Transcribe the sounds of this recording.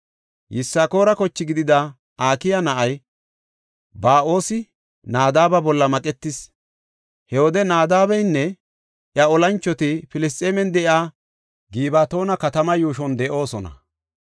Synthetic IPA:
jɪsːaːko̞ːɾɐkɔt͡ʃːɪɡɪd̪ɪd̪ɐ | ʔaːkɪjɐnɐʔɐj | baːʔo̞ːsɪ | naːd̪aːbɐbɔlːɐmɐkʼɛt̪ːɪs | hɛwɔd̪ɛnaːd̪aːbɛjnːɛ | ʔjɐɔlɐnt͡ʃːɔt̪ɪfɪlɪst̪ʼeːmɛnd̪ɛʔaː | ɡiːbaːt̪o̞ːnɐkɐt̪ɐmɐjuːʃɔnd̪ɛʔo̞ːsɔnɐ̰

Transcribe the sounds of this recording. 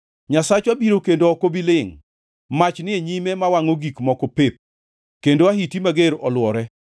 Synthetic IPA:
ɲasat͡ʃabiɾokendoɔkobilɪŋ | mat͡ʃnɪeɲimɛmawaŋoɡikmɔkɔpep̚ | kendoaɦitimaɡeɾɔlwɔɾɛ

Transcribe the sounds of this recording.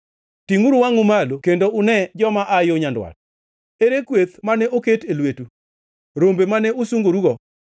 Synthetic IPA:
tiŋuɾuwaŋʊmalokendoʊnɛd͡ʒɔmaʔajoɲandwa̰t̚ | eɾekwet̪manɛʔoketelwetu | ɾombemanɛosuŋɡoɾuɡɔ

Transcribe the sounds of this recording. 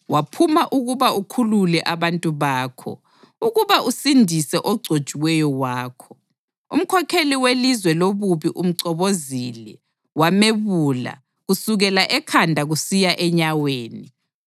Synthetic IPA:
wapʰumaʔuɣuβaukʰululɛʔaβantʼuβaːkʰɔ̰ | uɣuβaʔusindʱisɛʔɔɡ͡ǀʱod̥ʒ̥ʱʼiwɛjɔwaːkʰɔ̥ | ṵm̩kʰɔkʰeliwelizwɛloβuβiʔum̩ǀɔβozilɛ | wameβuːla̰ | ɣusuɣɛlaʔɛkʰandʱaɣusijaʔɛɲaweːni

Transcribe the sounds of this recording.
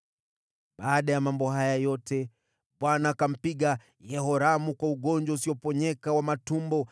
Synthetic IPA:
ɓaːɗajamambɔɦajajɔtɛ | ɓwanakam̩piɠa | jɛhɔɾamukwauɠɔnd͡ʒwausiɔpɔɲɛkawamatumbɔ

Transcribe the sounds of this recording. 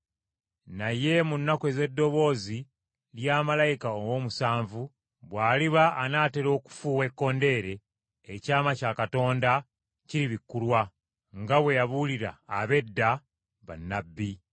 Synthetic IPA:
naje̞munːakwe̞ze̞dːo̞βo̞ːzi | ljaːmalajikaowo̞ːmusaːɱvu | βwaːliβaːnaːte̞ɾo̞ːku̥fuwe̞kːo̞nde̞ːɾe̞ː | caːmacakato̞ːnda | ciɾiβikːulwa | ŋɡaβwe̞jaβuliɾa̰ːβe̞dːa | βa̰nːabːi

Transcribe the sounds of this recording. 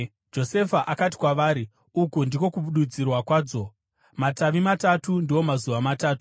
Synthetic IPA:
d͡ʒo̞se̞faʔakati̥kwaʋaːɾi | ukundiko̞kuɓuɗud͡zirwakwaːd͡zo̞ | mataʋimatatundio̞mazuʋamataːtu̥

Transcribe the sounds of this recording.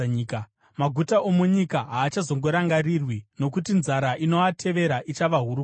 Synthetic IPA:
k | maɡʱutaʔomuɲikaɦaːt͡ʃazo̞ŋɡo̞ɾaŋɡarirwino̞kutinzaɾaʔino̞atʰe̞ʋe̞ɾaʔit͡ʃaʋaɦuɾu

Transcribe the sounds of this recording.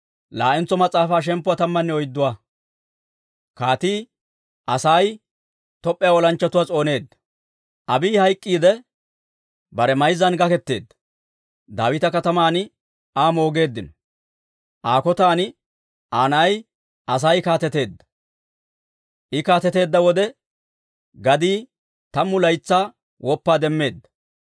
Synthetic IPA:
laːʔɪnt͡sːɔmɐt͡sʼːaːfaːʃ̬ɛmpːʊwat̪ɐmːɐnːɛɔjd̪ːʊwaː | kaːt̪iː | ʔɐsaj | t̪ɔpʼːɛjawɔlɐnt͡ʃːɐt̪ʊwat͡sʼo̞ːne̞ːd̪ːɐ̥ | ʔɐbiːhɐjkʼːiːd̪ɛ | bɐɾɛmɐjzːɐnɡɐkɛt̪ːe̞ːd̪ːɐ | d̪a̰ːwɪt̪ɐkɐt̪ɐmaːn | aːmo̞ːɡe̞ːd̪ːɪnɔ | ʔaːkɔt̪aːn | ʔaːnɐj | ʔɐs̬ɐjkaːt̪ɛt̪e̞ːd̪ːɐ̥ | ʔɪkaːt̪ɛt̪e̞ːd̪ːɐwɔd̪ɛ | ɡɐd̪iː | t̪ɐmːʊlɐjt͡sːaː | wʔɔpːaːd̪ɛmːe̞ːd̪ːɐ̥

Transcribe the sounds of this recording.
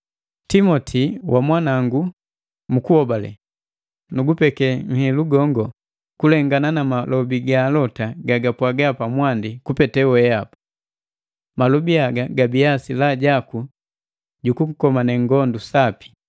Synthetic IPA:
timɔtʰiwʔamwanaŋɡu | mukuhɔbalɛ̰ | nuɡupɛkɛŋ̩hɛluɡɔŋɡɔ | kulɛŋɡananamalɔbiɡalɔtaɡaɡapwaɡapamwandikupɛtɛwɛapḁ | malɔbiaɡaɡabiasilaɟaku | ɟukuŋ̩kɔmanɛŋɡɔndusapi̥

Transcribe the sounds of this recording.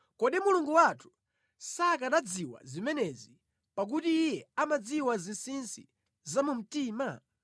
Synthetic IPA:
kɔɗimuluŋɡuwatʰu̥ | sakaɗad͡ziwa̰zimɛnɛzi | pak̬utiːjɛamad͡ziwazinsinsḭ | zamum̩tiːma

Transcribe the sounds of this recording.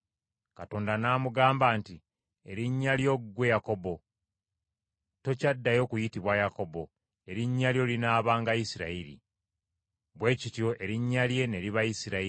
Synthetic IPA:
kato̞ːndanaːmuɡaːmbaːnti | e̞̰ɾiɲːaljo̞ɡɡwe̞jako̞bo̞ | to̞cadːajo̞ːkujitiβwajako̞bo̞ | e̞ɾiɲːaljo̞linaːβaːŋɡajisiɾa̰iɾḭ | βwe̞ːcitjo̞ʔe̞ɾiɲːalje̞ne̞liβajisiɾai

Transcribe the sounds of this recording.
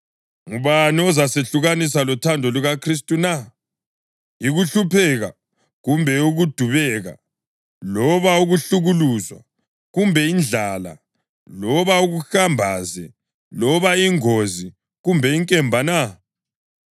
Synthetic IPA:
ŋuβaniɔzaseɬuɣanis̬alɔtʰandʱɔluɣakʰris̬tʼuna | iɣuɬupʰɛɣa | ɣumbʱɛuɣud̥ʱuβɛɣa̰ | lɔβauɣuɬuɣuluzwa̰ | ɣumbʱɛind͡ɮʱala̰ | lɔβauɣuxambʱazɛ | lɔβaiŋozi | ɣumbʱɛiŋkʼɛmbʱana

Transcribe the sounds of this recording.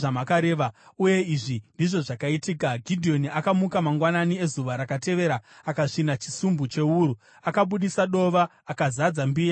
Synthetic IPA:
ʐamakaɾe̞ːʋauje̞iʐindiʐo̞ʐakaitiːkaɡʱidʱio̞niakamukamaŋɡwananie̞zuʋaɾakate̞ʋe̞ɾaakaʂinat͡ʃi̥sumbut͡ʃe̞uːɾu | akaɓuɗisaɗo̞ʋaːkazad͡zambiːa

